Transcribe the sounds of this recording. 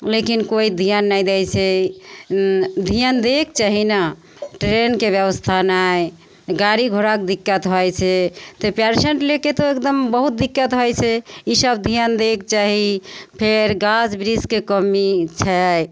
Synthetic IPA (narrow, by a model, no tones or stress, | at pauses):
lekinkoid̪ʱijənːəjd̪ɛt͡ʃʰɛ | d̪ʱijənd̪ekt͡ʃaɦina | ʈɾenkebjəbəst̪ʰanaj | ɡaɾiɡʱoɾakd̪ikːət̪ɦɔjt͡ʃʰɛt̪ɔpaɾseɳʈleket̪oek̚d̪əmbəɦut̪̚d̪ikːət̪ɦɔjt͡ʃʰɛisəbd̪ʱijənd̪ek̚t͡ʃaɦipʰeɾɡad͡ʒbɾiskekəmit͡ʃʰɛj